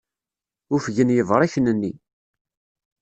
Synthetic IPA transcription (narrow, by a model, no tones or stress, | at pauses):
ʊfʝənjəvɾˤiçnənːi